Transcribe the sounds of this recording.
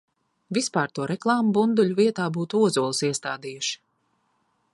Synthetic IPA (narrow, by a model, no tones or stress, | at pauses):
vʲispaːɾt̪uɔɾɛklˠaːmubund̪ulʲuviɛt̪aːbuːt̪uuɔzuɔlˠsiɛst̪aːd̪iːjuʃi̥